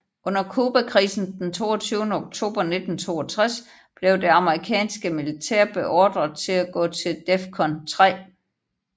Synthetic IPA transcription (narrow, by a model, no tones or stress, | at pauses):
ʔɔ̽n̰ɐkʰuːb̥ækʰʁiːsn̩d̥ent͡sʰo̝̰ːɐt͡sʰyːʊnəoɡ̥̚t͡sʰo̝̰ːb̥ɐne̝d̥n̩t͡sʰo̝̰ːɐt͡sʰʁas | b̥le̝ʊde̝ɑ̈məʁikʰɛ̰ːnsɡ̥əmilit͡sʰɛɐ̰b̥e̝ʔɒːd̥ʁɐðˠt͡sʰe̝læɡ̥ɔ̰̽ːt͡sʰe̝ld̥efkʰɒ̽nt͡sʰʁɛ̰ː